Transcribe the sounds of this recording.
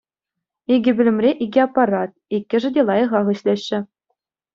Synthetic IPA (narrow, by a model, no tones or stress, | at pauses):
iɡʲɘ̆bʲɘ̆lʲɘ̆mrʲeʔiɡʲɘɑpːɑɾɑt̪̚ikʲːɘ̆ʐɘ̆dʲelˠɑjɤ̆ʁɑʁɤ̆ɕlʲeɕːɘ̆